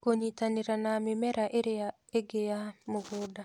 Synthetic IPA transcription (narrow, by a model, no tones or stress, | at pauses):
koɲit̪aniɾanamɪmɛɾaʔeɾɪa | eɡejamʊɡʊda